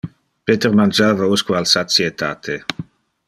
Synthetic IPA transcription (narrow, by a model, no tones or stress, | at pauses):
peːt̪eɾmand͡ʒaːvauskualsat̪t͡siet̪ʰaːt̪ʰe